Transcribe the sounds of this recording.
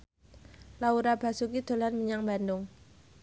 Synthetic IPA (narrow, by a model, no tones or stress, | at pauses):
lauɾab̥asukid̪̥o̤lanmiɲaŋbandʊŋ